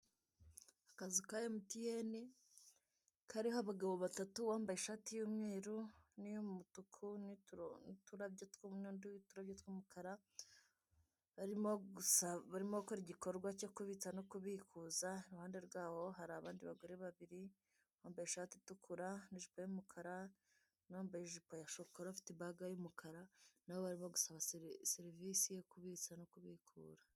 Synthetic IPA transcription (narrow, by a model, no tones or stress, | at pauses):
ḁkazikajomutijeni | kaɾiɦoaβaɡaβo̞βatatuβaːmbajeʃaːtijuːmŋeːɾunijomumutukʰunituɾabjotwumondutuɾabjotwuːmukʰaɾa | βaɾimousaβaɾimokoɾiɟikoɾɡwacokuβit͡sanokuβikʰuːzaiɾuhaːnde̞ɾɡaːho̞ɦaɾaːβaːndiβaɡuɾeβaβiɾi | hoːmbajeʃaːtitukʰuɾaniʒipojumukʰaɾa | noːmbajeʒipojaʃokoɾaβafi̥tebaɡajumukʰaɾanaβoβaɾimo̞ɡusaβasseɾivisijo̞kuβit͡sanokuβikʰṵːɾḁ